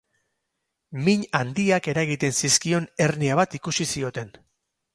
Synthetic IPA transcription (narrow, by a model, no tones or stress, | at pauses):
miɲand̪iake̞ɾaɣit̪e̞nsiskio̞ne̞rniaβat̪ikusisio̞t̪e̞n